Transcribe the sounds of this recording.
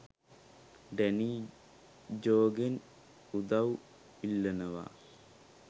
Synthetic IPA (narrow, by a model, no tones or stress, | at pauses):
ɖeni | d͡ʑoːɡen | ud̪ɐw | ilːɐnɐʋa̰ː